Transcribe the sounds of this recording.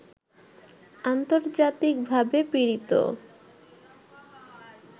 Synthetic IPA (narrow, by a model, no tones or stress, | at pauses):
ant̪oɾd͡ʑat̪ik̚bʱabepiɾit̪o̰